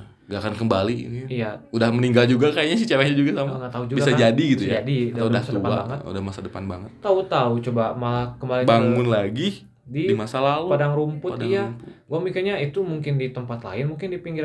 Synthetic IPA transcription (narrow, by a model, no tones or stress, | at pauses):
ŋɡakankəmbaliḭniijaudahməniŋɡald͡ʒuɡakajaɲasit͡ʃapaɲad͡ʒuɡasamaŋat̪aud͡ʒuɡbiɡasad͡ʒadiɡit̪ujad͡ʒaditaadahtsad̪əuəpala̰baŋət̪ṵdahmasadəpanba̰ŋət̪̚ːaut̪aut͡ʃobamalahkəmbalɪnbaŋʊnlaɡi | didimasalalupadaŋɾumpʊadijaɡuamikaɲait̪umuŋkɪndit̪əmpat̪la̰ɪnmuŋkɪndipiŋɡɪ